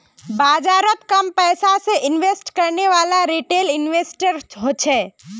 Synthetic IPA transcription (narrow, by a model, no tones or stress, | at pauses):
bad͡ʒaɾət̪kəmpəjsasẽʔinʋesʈkəɾneʋalaɾiʈelinʋesʈəɾɦot͡ʃʰɛ